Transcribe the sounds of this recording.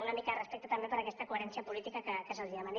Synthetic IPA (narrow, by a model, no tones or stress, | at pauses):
unəmikarəspek̚t̪ət̪əmbepəɾɐkɛst̪əkueɾɛnsiəpulit̪ikəkəkəsəlʒəman